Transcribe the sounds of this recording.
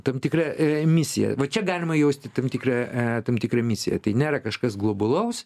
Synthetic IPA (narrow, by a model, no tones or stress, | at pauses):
t̪ɐmt̪ʲɪkɾɐmʲɪsʲɪjɛ̰ʋɐt͡ʃʲɛɡɑːlʲɪmɐjɛʊsʲt̪ʲɪt̪ɐmt̪ʲɪkrɐt̪ɐmt̪ʲɪkɾɐmʲɪsʲɪjɛ̰t̪ɐɪnʲæːɾɐkɐʃkɐsɡlˠoːbʊlˠɐʊs